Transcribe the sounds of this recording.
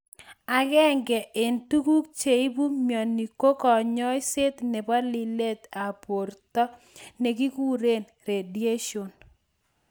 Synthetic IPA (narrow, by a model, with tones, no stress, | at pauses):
a˨ɣɛ˦ŋɡɛ˨ʔɪ˨ntu˦ku˦k̚t͡ʃe˨i˦bu˦mjɔ˨ni˨ko˦kɔ˨ɲɔ˦jsɪ˦t̪nɛ˨ba˦lɪ˦le˦t̪a˨po˨ɾt̪ɔ˦ | ne˨ɡi˦ku˦ɾe˦˨n | ɾe˨di˦e˦ʃo˨n